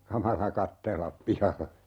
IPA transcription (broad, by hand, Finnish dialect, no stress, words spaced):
kɑmɑlɑ kɑtːelːɑp pihɑlːe